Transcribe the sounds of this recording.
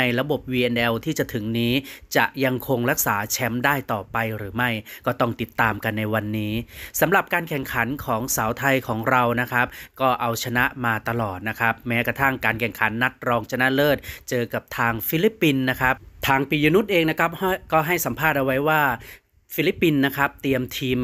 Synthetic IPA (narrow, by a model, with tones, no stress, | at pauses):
a˧jɾa˧bo˨˩p̚wiː˧ʔɛ˧nʔɛ˧wt̪ʰiː˥˩t͡ɕa˨˩t̪ʰɯ˨˩˦ŋniː˦˥t͡ɕa˨˩ʔja˧ŋkʰo˧ŋɾa˦˥k̚saː˩˦t͡ɕʰɛ˦˥mdaː˥˩jt̪ɔː˨˩pa˧jɾɯː˩˦ma˥˩jkɔː˥˩t̪ɔ˥˩ŋt̪i˨˩t̪ːaː˧mka˧nːa˧jwa˧nːiː˦˥sa˩˦mɾa˨˩p̚kaː˧nkʰɛ˨˩ŋkʰa˩˦nkʰɔː˩˦ŋsaː˩˦wt̪ʰa˧jkʰɔː˩˦ŋɾa˧wna˦˥kʰa˦˥p̚kɔː˥˩ʔa˧wt͡ɕʰa˧na˦˥ʔmaː˧t̪a˧lɔː˨˩t̪̚na˦˥kʰa˦˥p̚mɛː˦˥kɾa˧t̪ʰa˥˩ŋkaː˧nkʰɛ˨˩ŋkʰa˩˦nːa˦˥t̪̚ɾɔː˧ŋt͡ɕʰa˧na˦˥lɤː˥˩t̪̚t͡ɕɤː˧ka˨˩p̚t̪ʰaː˧ŋfi˦˥li˦˥pːi˧nːa˦˥kʰa˦˥p̚t̪ʰaː˧ŋpiː˨˧˩juː˧nu˦˥t̪̚ʔeː˧ŋna˦˥kʰa˥p̚hkɔː˥˩ɦa˥˩jsa˩˦mpʰaː˥˩t̪̚ʔa˧wa˦˥jwaː˥˩ | fi˦˥li˦˥pːi˧nːa˦˥kʰɾa˦˥p̚t̪i˧əmt̪ʰiː˧m